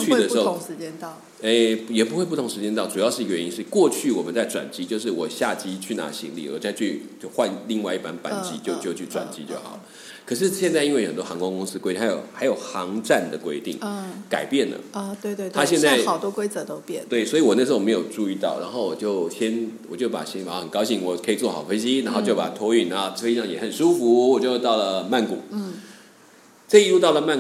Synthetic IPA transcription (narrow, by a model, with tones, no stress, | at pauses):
t͡ɕʰy˥d̪ə˩ʂ̩˥o˥˨˩ŋʂɻ̩˧˥t͡ɕjɛ˥nt̪ɑ˥˩ʊ | e˥˩ɪjɛ˨˩pu˧˥xwe˥˧p̬u˥˩ʊ˨˦ŋʂɻ̩˧˥t͡ɕjɛ˥nt̪ɑ˥˩ʊʈ͡ʂu˨˩jɑ˥ʊʂɻ̩˥˩i˧ɡə˧ɥɛ˧˦ni˧˥ʂɻ̩˥˩kwɔ˥˧t͡ɕʰy˥˩wɔ˨˩mə˦nt͡sa˥˩ɪʈ͡ʂwa̰˨˩nt͡ɕi˥t͡ɕjo˥˧ʊʂ̬ɻ̩˥˩wɔ˨˩ɕja˥˨˩t͡ɕi˥t͡ɕʰy˥˩na̰˧˥ɕḭ˧˥ŋlḭ˨˩ə̰˨˩t͡sa˥˧ɪt͡ɕʰy˥˧t͡ɕjo˥˧ʊxwa˥˧nli˥˧ŋwa˥˧ɪi˥˩pa˦npa̰˨˩nt͡ɕi˥t͡ɕjo˥˧ʊt͡ɕjo˥˧ʊt͡ɕʰy˥˩ʈ͡ʂwa̰˨˩nt͡ɕi˥t͡ɕjo˥˩ʊxɑ̰˨˩˦ | kʰɤ˨˩ʂ̬ɻ̩˥˧ɕjɛ˥˧nt͡sa˥˧i˥nwe˥˩o˨ə˨˩t̪wɔ˥˧ɑ˧˥ŋkʊ˥ŋkʊ˥ŋsɹ̩˥kwe˥tĩ˥˧a˧˥jo̰˨˩ʊxa˧˥ɪjo˨˩ʊxɑ˧˦ŋʈ͡ʂa˥˩nd̪ə˩kwe˥ɪt̪ḭ˥˩ŋka̰˨˩ɪpjɛ˥˩nlə̰˩˥˩twe˥˧ɪt̪we˥˧t̪ʰa˥ɕjɛ˥˧t͡sa˥˧ɑ˨˩ʊt̪wɔ˥kwe˥ɪt͡sə˧˦t̪o˥ʊpjɛ˥˩˨t̪we˥˩ɪswɔ˧˥i˨wɔ˨˩n˥˩ʂ̩˧˥o˥˩me˧˥ɪjo˨˩ʊʈ͡ʂu˥˧i˧t̪ɑ˥˩ʊɻa˧˥nxo˥˩ʊwɔ˨˩t͡ɕjo˥˩ʊɕjɛ˦nwɔ˨˩t͡ɕjo˥˩ʊpa̰˨˩ɕɛ˧˥˩ŋfa˨˩˨ə˨˩nkɑ˥ʊɕi˥˩ŋwɔ˨˩kʰə˧˥i˨˩t͡swɔ˥˩ɑ˨˩ʊfə˥nɕi˦na˧nxo˥˧ʊt͡ɕo˥ʊpa˨˩˥t̪ʰwɔ˥y˥˩nna˧˥˧i˧˥ɑ˥˩ŋjɛ˨˩xə˨˩nʂu˥fu˧˥wɔ˨˩t͡ɕjo˥˧˥t̪ɑ˥˩ʊlə˩ma˥˩nkṵ˨˩˦ | ʈ͡ʂɤ˥˧i˧˥lu˥˧t̪ɑ˥˩ʊlə˩ma˥˩n